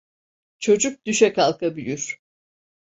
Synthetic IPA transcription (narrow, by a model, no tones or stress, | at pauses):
t͡ʃʰo̞d͡ʒuk̚d̪yʃɛkalˠkabyjyɾ̥